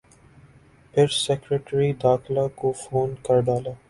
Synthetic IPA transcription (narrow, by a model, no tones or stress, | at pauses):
pʰɪɾsɛːkɾeʈɾid̪aːxlaːkofoːnkəɾɖaːlaː